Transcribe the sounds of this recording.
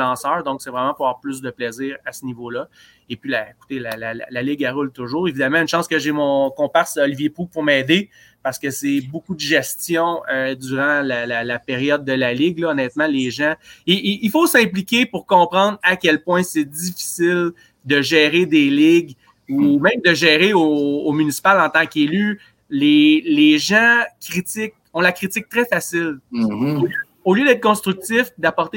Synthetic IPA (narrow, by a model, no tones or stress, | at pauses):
ɑ̃sœ˞ʁd̪ɔ̃ksɛvʁɛmãpʊawɛːʁplʏs̬d̪əplɛzɪːʁasənivolʌ | epɥilaeku̥t̪elalal̰lalɪɡaʁʊlt̪ʊʒuːʁevid̪amãynʃɑ̃skəʒemɔ̃kɔ̃paʁseɔlivjepʁupʊʁmɛːd̪e | paʁsə̥kəsɛbukud̪əʒɛst͡s̪jɔ̃ød̪yːʁɑ̃lalalapeʁjɔd̪ːəlalɪɡlɔːnɛːt̪mãleʒãiifosɛ̃plikʲepuʁkɔ̃ːpʁɑ̃d̪ʁakʲɛlpwɛ̃sɛd̪ifi̥sɪl | d̪əʒɛːʁed̪elɪɡ | umɛ̃md̪əʒɛːʁeoːmynisi̥palɑ̃t̪ɑ̃kely | leleʒãkʲʁit̪ɪk̚ɔ̃lakʁit̪ɪk̚t̪ʁɛfasɪl | oljød̪ɛːt̪̚kɔ̃st̪ʁyk̚t̪sɪfd̪apɔʁt̪